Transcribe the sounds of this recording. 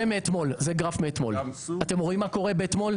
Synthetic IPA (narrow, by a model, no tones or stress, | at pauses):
emeet̪mo̞lzeɡʁafmeːt̪mo̞̰lat̪e̞mʁoimːako̞ʁe̞beet̪mo̞l